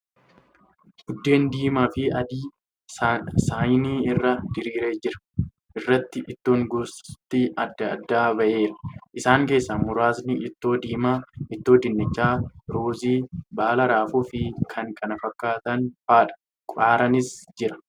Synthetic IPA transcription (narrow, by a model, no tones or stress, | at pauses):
ɡ̥ʊd̪ːe̞ːnd̪iːmaːfɪɐd̪iː | saːjniːɪrːɐd̪ɪɾiːɾe̞ːd͡ʒɪɾɐ̥ | ʔɪrːɐt̪ːɪʔɪt̪ːo̞ːŋɡʊst̪ːɪɐd̪ːɐɐd̪ːaːbɐʔe̞ːɾɐ̥ʔɪsaːŋke̞ːsːɐmʊɾaːsnɪɪt̪ːo̞ːd̪iːmaːɪt̪ːo̞ːd̪ɪnːɪt͡ʃːaːɾoːziːbaːlɐɾaːfʊfɪkʰɐŋkʰʼɐnɐfɐkːaːt̪ɐnfaːᶑɐ̥ | kʼaːɾɐnɪsd͡ʒɪɾɐ̥